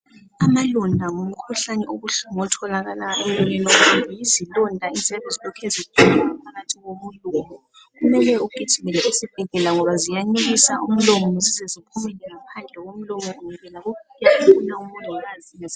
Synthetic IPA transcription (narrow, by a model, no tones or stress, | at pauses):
amalɔndʱaŋom̩kʰuɬanɛʔoɣuɬuŋɔtʰɔlaɣalaemlɔɲɛnomuijizilɔndʱainzʱɛβɛzilɔkʰezitʰɔlaŋapʰaɣatʰiɣomulumɔ | ɣumɛlɛukʼitʰiβɛlɛusib̥̚ʱɛɣɛlaŋɔβazijaŋ͡ǀeɣisa̰ṵm̩lɔmɔzizɛzipʰumɛlɛŋapʰand͡ɮʱɛɣom̩lɔmɔuŋɛβɛlaɣokijaufunaumulʱɛɣaziz